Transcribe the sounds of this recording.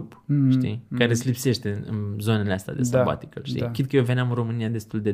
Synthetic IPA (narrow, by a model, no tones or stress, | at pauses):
upʃt̪ikaɾesʲlipse̞ʃt̪e̞ɨnɨ̰nzo̞ne̞le̞ast̪ea̰d̪e̞saba̰t̪i̥kə̰lʃt̪ḭkɾid̪̚kəjeve̞neamɨnro̞mɨnijad̪e̞st̪uld̪e̞